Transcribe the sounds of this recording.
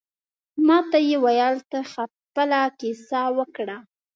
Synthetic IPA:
mɑt̪ajewajɑlt̪axa | pəlakesɑwəkɽa

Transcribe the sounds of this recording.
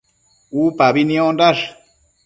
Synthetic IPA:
upaβinĩõndaʂ

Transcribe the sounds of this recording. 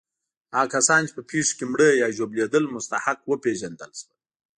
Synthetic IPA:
ɑːkasɑːnt͡ʃe̥pəpʰeʂo̥kemɽəjɑːʒobled̪əlmʊst̪ahaqwəpeʒand̪əlʃwa

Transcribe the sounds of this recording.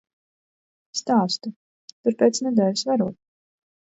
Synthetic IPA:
st̪aːst̪u | t̪uɾpeːt̪snɛd̪ɛːlʲisvaɾuɔt̪

